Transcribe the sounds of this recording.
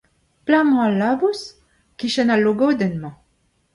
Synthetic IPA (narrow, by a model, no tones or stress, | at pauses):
plaŋ̃ãlːabus | kiʃɛnalːoɡowd̪ɛnmɑ̃